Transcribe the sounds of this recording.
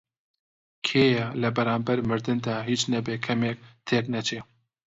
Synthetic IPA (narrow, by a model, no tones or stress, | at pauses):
kʰeːjɛlɛbɛɾaːmbɛɾmɨɾd̪ɨnd̪aːɦiːt͡ʃnɛbeːkʰɛmek̚t̪ʰeːknɛt͡ʃʰeː